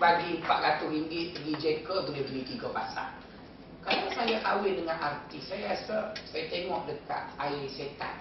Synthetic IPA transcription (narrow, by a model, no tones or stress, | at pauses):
baɡipaʔ̪̚lat̪uriŋɡɪt̪̚əɡid͡ʒɛt̪kəbəlidəlit̪iɡəpasa̰n | kanasajaʔawɪndəŋanʔart̪isajasəsajat̪eŋɔʔdəka̰t̪̚aiset̪a̰n